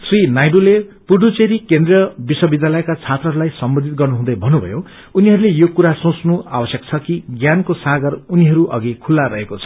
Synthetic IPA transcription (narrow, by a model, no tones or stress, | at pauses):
srinajɖulepuɖut͡seɾikend̪rijʌbiswʌbid̪jalʌekat͡sʰat̪rʌɦʌɾulajsʌmbʌnd̪ʱit̪̚ɡʌrnuɦũd̪ʌjbʱʌnːubʱʌ̰jo | uniɦʌɾulejokuɾasõt͡snua̰bʌsjʌk̚t͡sʰʌkiɡjankosaɡʌruniɦʌɾuʔʌ̰ɡikʰulːaɾʌɦekot͡sʰʌ̥